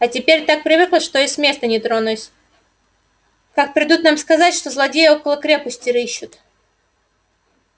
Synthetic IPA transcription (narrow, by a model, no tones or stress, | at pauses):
ɐtʲɪpʲeɾʲt̪ak̚pɾʲɪvɨklˠəʂt̪o̞isʲmʲe̞st̪ənʲɪt̪ɾonʊsʲ | kak̚pɾʲɪd̪ut̪namskɐzatʲʂt̪o̞zlˠɐdʲejəo̞kəlˠəkɾʲe̞pəsʲtʲɪɾɨɕːʊt̪